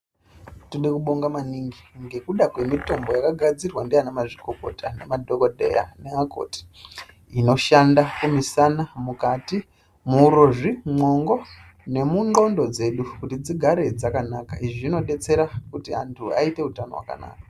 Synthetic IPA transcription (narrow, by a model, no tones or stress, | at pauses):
tuɗekuɓo̞ŋɡamaniŋɡiŋɡe̞kuɗakwe̞mito̞mbo̞jakaɡʱad͡zirwandeanemaʐikoko̞̰tanemadʱokodʱe̞̰ja̰neako̞̰ti̥ | ino̞ʃandakumisanamukati | muɾoʐimo̞ŋɡo | ne̞muŋɡo̞ndo̞d͡ze̞ɗukutid͡ziɡʱaɾe̞d͡zakanakaiʐiino̞ɗe̞t͡se̞ɾakutia̰ntʰua̰ite̞utano̞̰wa̰ka̰na̰ːka